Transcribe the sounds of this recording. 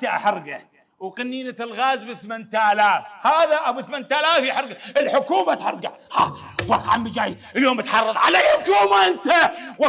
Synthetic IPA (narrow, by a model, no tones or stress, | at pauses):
t̪aʔħɑɾˤɡa | wqanːiːnat̪ɪlɣaːzbɪθmant̪ʔalaːfhaːðaʔawbɪθmant̪alaːfiħɑɾˤɡaʔɪlħʊkuːmat̪ħɑ̰ɾˤɡa | hawɑqʕambid͡ʒaːjʔɪljoːmbɪt̪ħɑrˤːɨðˤʕa̰lalħʊkuːmaʔɪnt̪aw